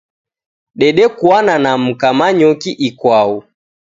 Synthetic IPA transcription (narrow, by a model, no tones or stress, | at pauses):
ɗɛɗɛkwananam̩kamaɲɔkiʔikwau